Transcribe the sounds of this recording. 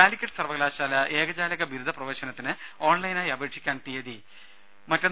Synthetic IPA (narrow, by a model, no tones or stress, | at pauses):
aːlikʲːɐʈːɨsɐrʋɐɣlaːɕaːlɐʔeːɡɐd͡ʑaːlɐɣɐbiɾud̪ʱɐprɐʋɐːɕɐnɐt̪ːinɨo̞ːɳlɐjnaːjɐbeːʈʂʰikʲːaːnt̪ijɐði | mɐtːon